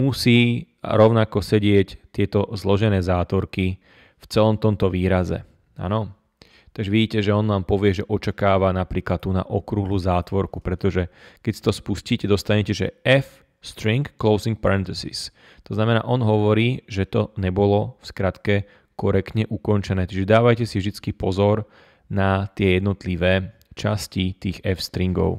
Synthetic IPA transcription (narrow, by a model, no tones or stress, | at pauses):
musḭː | ɾɔʊnakɔsɛɟɪɛct̪ɪɛt̪ɔzlɔʒɛnɛːzaːt̪ʋɔɾki | ft͡sɛlɔmt̪ɔmt̪ɔʋiːɾazɛ̰ | a̰nɔ | t̪aɡʒɛʋiɟiːcɛʒɛɔnʋaːmpɔʋɪɛʒɛʔɔt͡ʃakaːʋanapɾiːklat̪̚t̪ːuːna̰ʔɔkɾuːɦluːzaːt̪ʋɔɾkupɾɛt̪ɔʒɛkɛcsi̥t̪ɔspusciːcɛd̪ɔst̪aɲɛcɛʒɛ̰ɛf | st̪ɾiŋkːlɔʊziŋk̚paɾɛnt̪isḭs | t̪ɔznamɛna̰ːʔɔnɦɔʋɔɾiːʒɛt̪ɔɲɛbɔlɔfskɾat̪kɛ | kɔɾɛkt̪ɲɛʔukɔnt͡ʃɛnɛːt͡ʃiʒɛd̪aːʋajcɛsivʒd̪it͡skipɔzɔɾ | nat̪ɪɛjɛd̪nɔt̪liʋɛː | t͡ʃascit̪iːɣɛfst̪ɾiŋɡɔ̰ʊ